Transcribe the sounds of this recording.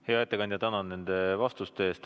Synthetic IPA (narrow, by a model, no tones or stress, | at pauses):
heɑet̪ːˑekɑnʲd̪jɑt̪ænɑnnːe̞nd̪̥e̞vɑst̪ust̪eeːst̪